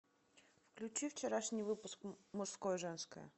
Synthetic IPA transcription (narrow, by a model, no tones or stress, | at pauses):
fklʲʉt͡ɕift͡ɕɪɾaʂnʲijvɨpʊskmʊʂskojəʐɛnskə̰jə̰